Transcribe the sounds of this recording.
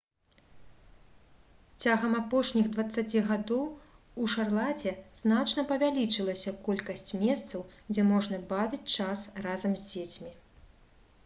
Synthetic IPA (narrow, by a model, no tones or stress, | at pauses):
t͡sʲaɣɐmapɔʂnʲiɣd̪vɐt̪sːat͡sʲiɣad̪ɔw | uʂarlˠat͡sʲɛznat͡ʂn̪ɐpɐvʲalʲit͡ʂɨlˠɐsʲɐkɔlʲkɐsʲt͡sʲmʲɛst̪sɐwd͡zʲɛmɔʐnɐbavʲit͡sʲt͡ʂasrazɐmzʲd͡zʲet͡sʲmʲi